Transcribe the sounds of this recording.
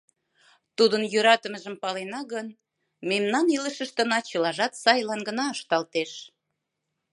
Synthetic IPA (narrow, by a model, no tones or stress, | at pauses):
t̪ud̪ənjøɾɑt̪əməʒəmpɑlenɑɣən | memnɑniləʃəʃt̪ə̆nɑt͡ɕəlɑʒɑt̪sɑjlɑnɡənɑəʃt̪ɑlt̪eʃ